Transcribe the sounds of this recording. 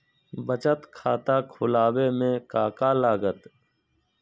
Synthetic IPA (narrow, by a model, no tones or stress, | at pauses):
bət͡ʃət̪kʰaːt̪aːkʰʊlaːweːmẽːkaːkaːlaːɡət̪